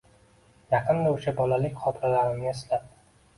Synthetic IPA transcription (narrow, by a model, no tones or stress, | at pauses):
jɑqʰɨnd̪aʊʃabɒlalɪkʲχʰɒt̪ʰɾalaɾɪnɪɪslap̪̚